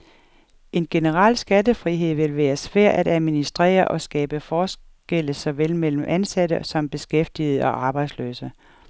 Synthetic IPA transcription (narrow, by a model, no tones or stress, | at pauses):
e̝nɡ̥e̝nəʁɑ̈l̰sɡ̥ædəfʁiɦe̝ð̰ˠʋe̝lʋæːɐsʋæɐ̰ʔæd̥æðˠminisd̥ʁɛ̰ːɐʔɒ̽sɡ̥ɛ̰ːb̥əfɒːs | ɡ̥el̰əsɒ̽ʋelmel̰m̩ʔænsæd̥əsɒ̽mb̥e̝sɡ̥efd̥ið̞̩ˠəɒ̽ʔɑ̈ːb̥ɑ̈ɪd̥slø̰ːsə